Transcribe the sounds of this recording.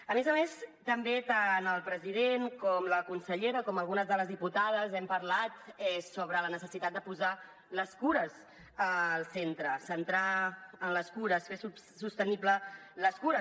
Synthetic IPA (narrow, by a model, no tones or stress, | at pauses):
əmezəmest̪əmbet̪anəlˠpɾəzið̞enkɔmləkunsəʎeɾəkɔməlˠɣunəzðələzðiput̪að̞əzɛmpəɾlat̪ɛsoβɾələnəsəsit̪ad̪̚d̪əpuza | ləskuɾəz | əlˠsent̪ɾəsənt̪ɾaənləskuɾəsfesu | sust̪əniplələskuɾə